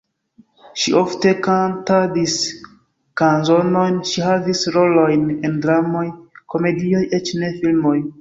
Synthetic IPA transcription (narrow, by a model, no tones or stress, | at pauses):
ʃiʔofte̞kantadis | kanzo̞no̞jnʃiɦavisɾo̞lojne̞ndɾamo̞jko̞me̞dio̞jʔe̞t͡ʃne̞filmo̞j